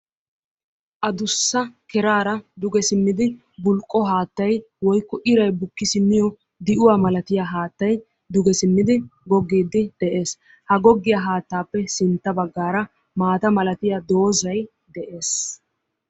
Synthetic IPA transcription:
ʔɐd̪ʊsːɐkɛɾaːɾɐd̪ʊɡɛsɪmːɪd̪ɪ | bʊlkʼːɔɦaːt̪ːɐj | wɔjkːɔʔɪɾɐjbʊkːɪsɪmːɪjɔ | d̪ɪʔʊwaːmɐlɐt̪ɪjaɦaːt̪ːɐj | d̪ʊɡɛsɪmːɪd̪ɪɡɔɡːiːd̪ːɪd̪̥ɛʔe̞ːs | hɐɡɔɡːɪjaɦaːt̪ːaːpːɛsɪnt̪ːɐbɐɡːaːɾɐ | maːt̪ɐmɐlɐt̪ɪjad̪o̞ːzɐj | d̪ɛʔe̞ːs

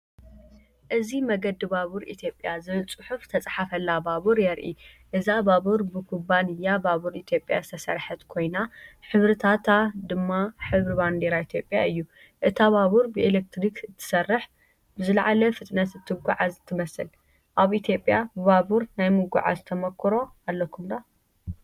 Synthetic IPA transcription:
ʔɨzimɐɡɐd̪ːɨbaβuɾḭt̪ʰjo̞pʼːjazɨβɨlt͡sʼɨħuft̪ʰɐt͡sʼħafɐlːabaβuɾjɛɾʔḭʔɨzabaβuɾbɨkʰubanɨjːabaβuɾit̪ʰjo̞pʼja̰zɨt̪ʰɐsɐ̰ɾħɐt̪kʰo̞jnaħɨβɾɨt̪ʰat̪ʰad̪ɨmːaħɨβɾiband̪eɾait̪ʰjo̞pʼːjaɨjːu | ʔɨt̪ʰaβaβuɾbɨelek̚t̪ɾikɨt̪ʰːɨ̥sɐrːɨħ | bɨzɨlʕalɐfɨt̪ʼnɐt̪zɨt̪ʰːɨɡʷuʕazɨt̪ʰːɨmɐsɨl | ʔaβit̪ʰjo̞pʼːjabɨβaβuɾnajmɨɡṵʕa̰zt̪ʰɐmɐkʰːɨɾo̞alːɐkʰːumd̪a

